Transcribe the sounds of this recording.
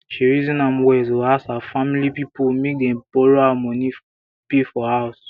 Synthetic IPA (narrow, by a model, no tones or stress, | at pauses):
ʃiɹizĩnãmwɛzwuasafamilipipumek̚dɛ̃mpɔɹoamɔ̃ni | pefɔhas